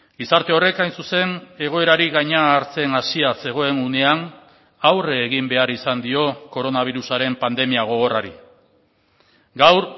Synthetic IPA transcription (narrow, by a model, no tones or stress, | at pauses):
ɡisaɾt̪e̞o̞re̞kajnsuse̞ne̞ɣ̞o̞e̞ɾaɾiɣaɲaːɾt͡se̞nasiase̞ɣ̞o̞e̞nune̞an | awre̞ːɣimbe̞aɾisand̪io̞ko̞ɾo̞naβ̞iɾusaɾe̞mpand̪e̞miaɣ̞o̞ɣ̞o̞raɾi | ɡawɾ